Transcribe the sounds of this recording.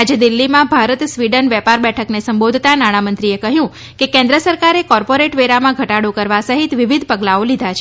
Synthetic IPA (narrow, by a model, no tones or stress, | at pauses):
ad͡ʒed̪ilːimãbʱaɾət̪sʋiɖənʋɛpaɾbɛʈʰəknesəmbod̪ʱt̪anaɽ̃amənt̪ɾiekəɦjũ | kekɛ̃nd̪ɾəsəɾkaɾekɔɾpoɾeʈʋeɾamãɡʱəʈaɽokəɾʋasəɦit̪ʋiʋid̪ʱpəɡlaolid̪ʱat͡ʃʰ